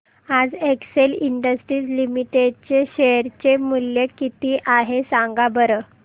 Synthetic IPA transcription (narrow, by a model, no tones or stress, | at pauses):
ad͡zekseliɳɖəsʈɾiːd͡zlimiʈeɖt͡ɕeɕeɾt͡ɕemuljekit̪iʔaɦesãŋɡabəɾə